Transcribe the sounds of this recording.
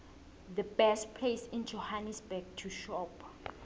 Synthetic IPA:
ðəbɛstpʰlejsĩnd͡ʒohanisbɛɡ̚tʰuʃɔp

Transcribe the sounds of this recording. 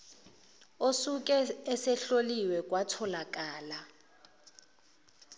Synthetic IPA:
osuk̬ʼɛːsɛɬoliwɛk̬ʼwatʰɔlak̬ʼaːla

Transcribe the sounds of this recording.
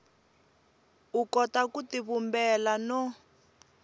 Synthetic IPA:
ukɔtakutiβumbɛlanɔ

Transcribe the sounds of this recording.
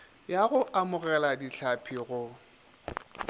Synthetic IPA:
jaɣʊʔamʊɣɛladiɬʰapʰiɣʊ

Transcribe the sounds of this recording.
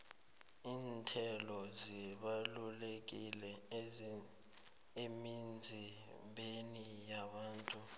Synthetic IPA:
iːntʰɛlɔziɓalulek̬ilɛ | emind͡zʱi | ɓenijaɓaːntʼu

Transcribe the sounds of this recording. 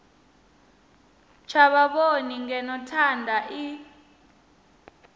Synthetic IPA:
t͡ʃʰaɓaɓoniŋɛnɔtʰandʱaʔi

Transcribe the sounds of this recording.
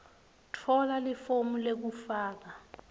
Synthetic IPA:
tʰɔlalifomulek̬ufaːk̬a

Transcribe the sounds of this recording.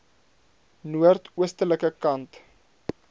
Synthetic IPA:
nuərtuəstələkəkɐnt

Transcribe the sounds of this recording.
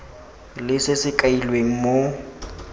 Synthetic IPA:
lɪsɪsɪkʼailweŋ̩mo

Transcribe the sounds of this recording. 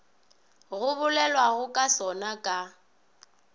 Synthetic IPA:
ɣʊβʊlɛlwaɣʊkʼasɔnakʼa

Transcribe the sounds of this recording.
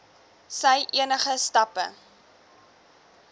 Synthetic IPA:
səjʔiənəχəstɐpə̰

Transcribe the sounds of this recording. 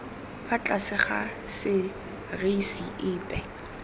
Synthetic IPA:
fat͡ɬʼasɪχa̰sɪ | reisiʔɪːpʼɛ

